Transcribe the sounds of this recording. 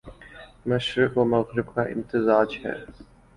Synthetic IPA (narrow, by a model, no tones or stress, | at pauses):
mɐʃɾɪkomɐɣɾɪbkaʔɪ̰mt̪ɪzaːd͡ʒhɛ̰ː